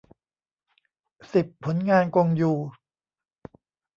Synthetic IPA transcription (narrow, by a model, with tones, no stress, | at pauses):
si˨˩pʰːo˩˦nŋaː˧nko˧ŋjuː˨˩